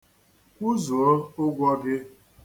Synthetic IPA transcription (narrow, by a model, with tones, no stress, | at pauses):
kʷu˦zo˨o˦ʊ˦ɡʷɔ˦ɡɪ˦